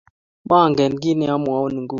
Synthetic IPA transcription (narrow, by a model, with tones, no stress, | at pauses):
ɓa˦˨ŋɡɛ˨nɡi˦nɛ˨a˦m˨a˨˦u˦ni˨ŋɡu˦˨